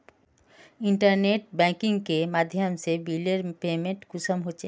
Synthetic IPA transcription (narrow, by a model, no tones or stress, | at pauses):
ɪɳʈəɾneʈ̚bɛ̃ːkɪ̃ŋɡkemaːd̪ʱjəmsebileɾpeːmẽɳʈkʊsəmɦot͡ʃʰeː